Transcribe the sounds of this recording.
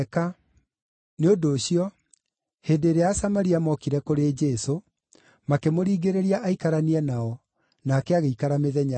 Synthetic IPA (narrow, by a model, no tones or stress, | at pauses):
ka | neodoːɕijɔ | heːdeːɾeasamaɾiamɔkiɾɛkoɾeːd͡ʒɛso | makemoɾiːɡeɾeɾiaʔaikaɾaniɛnaɔ | naːkɛaɣeikaɾameðɛɲa